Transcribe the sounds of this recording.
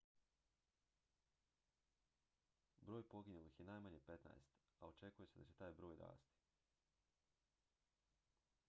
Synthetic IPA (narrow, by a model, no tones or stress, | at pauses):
bɾoːjpo̞ɡinulixje̞naːjmaɲepe̞t̪na̰jst̪ao̞t͡ʃe̞kujese̞d̪at͡ɕe̞t̪aːjbɾo̞ːjɾa̰ːst̪i̥